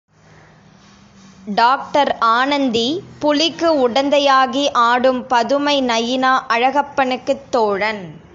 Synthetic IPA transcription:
ɖaːk̚ʈɐɾaːnɐnd̪ipʊlɪkːɯʊɽɐnd̪ɐjaːɣiʔaːɽɯmpɐðɯmɐɪnɐjːɪnaːʔɐɻɐɣɐpːɐnɯkːɯt̪ːoːɻɐn

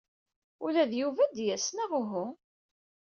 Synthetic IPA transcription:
ulæðjuvæd̪jæsnaʁʊɦʊ

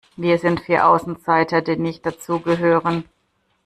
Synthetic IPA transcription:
viːɐzɪntfiːɐʔaʊsn̩t͡saɪtɐdiːnɪçt̚d̥at͡suːɡəɦøːʁən

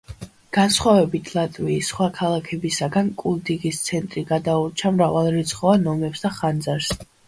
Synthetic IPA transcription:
ɡ̥ansχwavɛbit̪ʰlˠat̪ʼviːsχwakʰalˠakʰɛbisaɡankʼulˠd̪iɡist̪sʰɛnt̪ʼɾiɡad̪aut͡ʃʰamɾavalˠɾit̪sʰχɔanɔmɛpsd̪aχand̪zaɾs

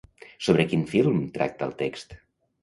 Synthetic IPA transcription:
soβɾəkinfilˠmt̪ɾa̰k̚t̪ə̰lˠt̪ekst̪

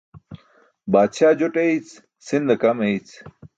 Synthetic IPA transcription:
baːd̪ɕaːd͡ʑoʈeit͡s | sind̪ɐkɐmeit͡s

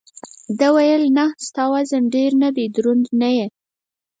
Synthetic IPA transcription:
d̪əwajəlnast̪ɑwazaɳɖeɾnab̪ed̪ɾund̪naje

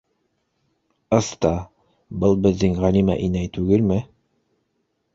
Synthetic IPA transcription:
ɤ̆st̪ɑ | bɤlˠbɘ̆ðːɘŋʁælimæ̰ʔinæjt̪ʉɡɘlmɘ

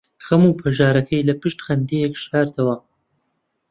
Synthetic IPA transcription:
xɐmupʰɐʒaːɾɐkʰɐjlɐpɨʃt̪xɐnd̪ejekʃaːɾt̪ʰɐwɐ

